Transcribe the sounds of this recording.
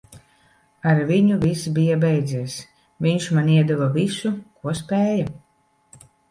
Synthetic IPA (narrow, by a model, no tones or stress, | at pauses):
aɾviɲuvʲisbijabɛjd̪ziɛs | viɲʃmanʲiɛd̪uvavisukuɔspʲɛːja